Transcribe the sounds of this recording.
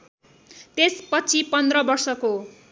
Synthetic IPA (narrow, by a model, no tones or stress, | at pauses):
t̪espʌt͡sʰipʌnd̪rʌbʌrsʌko